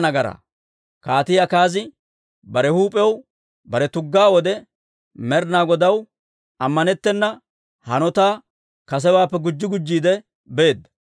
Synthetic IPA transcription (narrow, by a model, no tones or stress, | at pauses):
nɐɡɐɾɐ̰ | kaːt̪ɪjakaːzɪ | bɐɾɛhuːpʼɛw | bɐɾɛt̪ʊɡːaːwɔd̪ɛ | mɛɾnaːɡɔd̪ɐw | ɐmːɐnɛt̪ːɛnːɐ | hɐnɔt̪aː | kɐs̬ɛwaːpːɛɡʊd͡ʒːɪɡʊd͡ʒːiːd̪ɛ | be̞ːd̪ːɐ̥